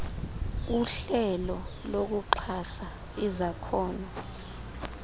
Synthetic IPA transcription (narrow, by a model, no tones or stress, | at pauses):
uɬɛlɔlok̬uǃʰasa | izakʰɔːna